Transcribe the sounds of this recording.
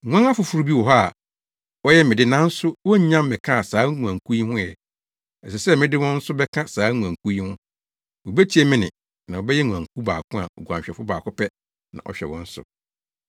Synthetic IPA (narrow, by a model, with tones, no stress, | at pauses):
ŋʷ˦ã˦ŋa˦fʊ˨fu˨ɾu˦bi˦wɔ˨ɦa˦a˨ | wɔ˦jɛ˦mɪ̃˨dɪ˦nã˦n̩˦sʊ˦wɔ˦ɲã˦mː˦ɪ̃˨kʰã˦a˨saː˨˦ŋu˨ã˨ŋ˨kʰu˦ji˦hʊ̃˦jɛ˨ | ɛ˨sɛ˨sɛ˦mɪ̃˦dɪ˦wɔ̃˦n̩˦sʊ˦bɛ˦kʰã˦saː˨˦ŋũ˨ã˨ŋ˨kʰu˦ji˦hʊ̃˦ | wɔ˨be˦tʰi˦ɛ˦mɪ̃˦nɪ̃˨ | nã˨wɔ˨bɛ˦jɛ˦ŋʷũ˨ã˨ŋ˨kʰu˦ba̰ː˨kʰʊ̃˦a̰˨ɔ˨ɡu˨ã̰˨ɛ˨fʊ˦baː˨kʰʊ˦pʰɛ˦ | nã̰˨ʔɔ̰˨ɕᶣɛ̰˨wɔ̰̃˦n̩˦sʊ̰˨